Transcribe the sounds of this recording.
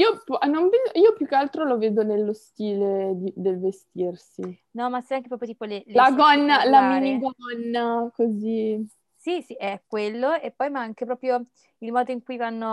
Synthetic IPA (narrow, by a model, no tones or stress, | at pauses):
iːopɔnoɱveːd̪oʔiːopjukːealt̪ɾoloveːd̪onelːost̪iːled̪id̪elvest̪irsi | nɔmasɛjaŋk̟epɾɔpɾjot̪iːpolellaɡɔnːalaminiɡɔnːakozi | sisiʔeɛkːwelːoepːɔjmaaŋk̟epɾɔːpɾjo | ilmɔːd̪oiŋkujvanːo